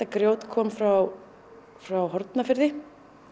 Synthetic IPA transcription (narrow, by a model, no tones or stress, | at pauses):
t̪akɾjoːwt̪kʰɔːmfɾaw | fɾawɦɔɾt̪nafɪɾðɪ